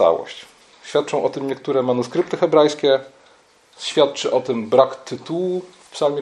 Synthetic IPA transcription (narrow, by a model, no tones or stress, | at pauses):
a̰wɔ̰ɕt͡ɕ | ɕfʲjat̪̚ːt͡ʂɔ̃w̃ʔɔt̪ɘmɲɛkt̪uɾɛmanuskɾɘp̚t̪ɘxɛbɾajskʲɛ | ɕfʲjat̪̚t͡ʂɘʔɔt̪ɘmbɾakt̪ɘt̪uwu | pʂalmʲi